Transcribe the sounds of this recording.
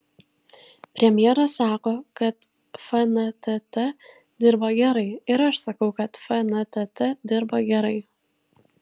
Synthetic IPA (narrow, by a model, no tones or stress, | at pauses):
pʲɾʲɛmʲjɛɾɐsɑːkoːkɐt̪ | fɐnɐt̪ʲɛt̪ʲɛ | d̪ʲɪɾbɐɡʲɛɾɐɪɪɾɐʃsɐkɐʊkɐt̪fɐnɐt̪ʲɛt̪ʲɛd̪ʲɪɾbɐɡʲɛɾɐɪ